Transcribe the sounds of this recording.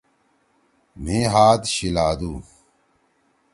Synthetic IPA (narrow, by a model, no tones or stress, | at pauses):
m̤ẽːɦaːd̪ɕilaːd̪uː